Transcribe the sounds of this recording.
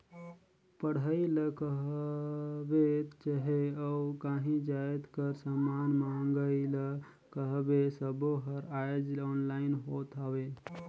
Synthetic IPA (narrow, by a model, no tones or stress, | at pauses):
pəɽ̤əiləkəɦ | bet̪t͡ʃaɦeaukaɦĩd͡ʒajet̪kəɾsəmanmamɡəilə | kəɦbesəboɦəɾajd͡ʒlɔːnlaɪnɦot̪awe